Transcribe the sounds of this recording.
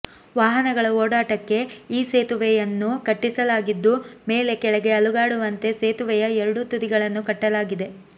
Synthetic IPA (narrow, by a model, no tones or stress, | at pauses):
ʋaːɦɐnɐɡɐɭɐoːɽaːʈɐkːe̞iːse̞ːt̪uʋɛjɐnːukɐʈːisɐlaːɡid̪ːume̞ːle̞kɛɭɐɡe̞ɐluɡaːɽuʋɐnt̪e̞seːt̪uʋɛjɐɛɾɐɽut̪ud̪iɡɐɭɐnːukɐʈːɐlaːɡid̪e̞